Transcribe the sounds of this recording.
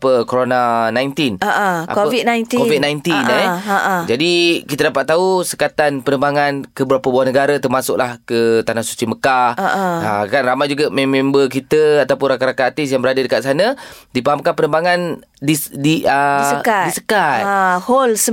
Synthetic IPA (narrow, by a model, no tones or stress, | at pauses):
pəkoɾonanajnt̪inaʔa̰kovit̪̚najnikovit̪̚najnt̪inɛʔd͡ʒadikit̪adapat̪̚ːausə̥kat̪anpənəmbaŋankəbəɾapəbaahnəɡaɾət̪ərmasʊ̰k̚lahkət̪anahsu̥t͡ʃiməkahakanramajd͡ʒuɡamɛ̃membək̬it̪əat̪awpʊnrakaɾakaat̪ɪsjaŋbəɾadadəkat̪̚sanə̃dipaɦamkanpənəmbaŋan | didiʔədkaisəkat̪̚ahols